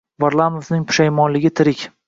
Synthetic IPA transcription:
vaɾlˠanovnɪŋpʰʊ̥ʃajmɒnlɪɡʲɪt̪ʰɪɾɪkʲ

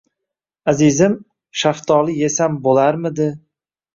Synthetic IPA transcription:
azizɪm | ʃaft̪ʰɒlˠɪje̞sambolaɾmɪd̪ɪ

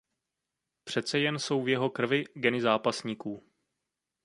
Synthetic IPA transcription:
pr̝̥ɛt̪t͡sɛjɛnso̞wvjɛɦo̞kr̩vɪɡɛnɪzaːpasɲiːkuː

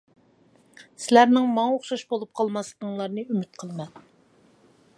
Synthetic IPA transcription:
sɪlæɾnɪŋmɑŋoχʃɑʃbolˠup̚qʰɑlˠmɑsld̪ɨŋlˠɑɾnɨymyt̪̚qʰəlˠmɛn

